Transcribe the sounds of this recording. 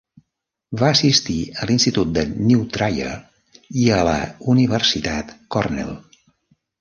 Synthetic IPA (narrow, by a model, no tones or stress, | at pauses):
vaəsist̪iəlinst̪it̪ut̪̚d̪əniwt̪ɾajə̰ | iələ̰uniβərsit̪at̪kɔrnɛ̰lˠ